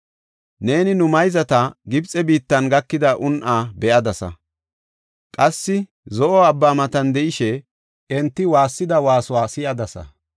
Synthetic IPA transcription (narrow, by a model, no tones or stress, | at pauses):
ne̞ːnɪnʊmɐjzɐt̪ɐɡɪbt͡sʼːɛbiːt̪ːɐnɡɐkːɪd̪ɐʔʊnʔaːbɛʔɐd̪ɐsɐ̰ | kʼɐsːɪ | zɔʔɔɐbːaːmɐt̪ɐnd̪ɛʔɪʃɛ | ɛnt̪ːɪwaːsːɪd̪ɐwaːsʊwaːsɪjɐd̪ɐsɐ̰